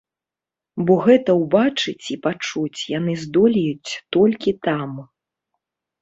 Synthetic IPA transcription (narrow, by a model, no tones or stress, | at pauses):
bɔɣɛt̪ɐwbat͡ʂɨt͡sʲipat͡ʂut͡sʲjanɨzd̪ɔlʲijut͡sʲt̪ɔlʲkʲit̪am